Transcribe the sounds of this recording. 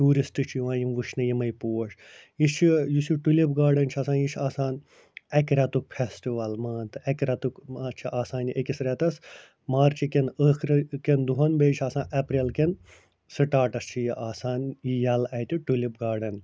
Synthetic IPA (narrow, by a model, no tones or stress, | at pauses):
ʈuːɾistɨt͡ʃʰijʋãːjimʋuʃnɐjimɐjpoːɐʂjit͡ʃʰijusiʈulibɡaːɾɖɐnt͡ʃʰɐsaːnjit͡ʃʰaːsaːn | ɛkɾɛt̪uk̚pʰestiʋɐlmaːnt̪ɨɛkɾɛt̪ukt͡ʃʰiʔaːsaːniʔekʲisɾʲɛt̪ɐs | maːɾt͡ʃʰikenəːxɾʲkend̪uɦɐnbeːt͡ʃʰaːsãːnʔɐpɾelken | sɨʈaːʈɐst͡ʃʰijiʔaːsaːnijɐlɐt̪iʈulʲibɡaːɾɖɐn